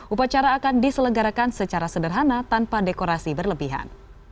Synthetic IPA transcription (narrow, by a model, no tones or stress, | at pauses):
ʔupat͡ʃaɾaːkandisələŋɡaɾakansət͡ʃaɾasədərɦanat̪anpadekoɾasibərləbiɦa̰n